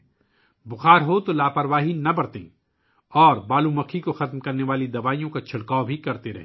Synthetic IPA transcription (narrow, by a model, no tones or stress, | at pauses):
bʊxaːɾɦot̪olaːpɐɾʋaːɦinɐbɐɽt̪ḛ̃ː | ɔːɾbaːlũmɐkʰikoxɐt̪mkɐɾneʋaːlid̪ɐʋaːijõkat͡ʃʰɐɽkaːobʱikɐɾt̪eɾɐɦ